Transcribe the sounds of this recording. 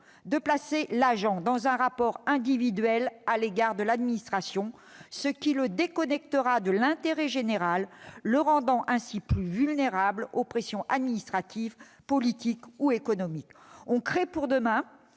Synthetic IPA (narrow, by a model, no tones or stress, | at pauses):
d̪əplaselaʒɑ̃d̪ɑ̃zɛ̃ʁapɔʁɛ̃d̪ivid̪ɥɛlaleɡaʁd̪əlad̪minist̪χasjɔ̃ | səkʲiləd̪ekɔnɛk̚t̪əʁad̪əlɛ̃t̪eʁɛʒeneʁalːəʁɑ̃d̪ɑ̃ʔɛ̃siplyvylneʁablopχesjɔ̃ʔad̪minist̪χat̪ʰiv | pɔlit̪ikuekɔnɔmikɔ̃kχepuʁd̪əmɛ̃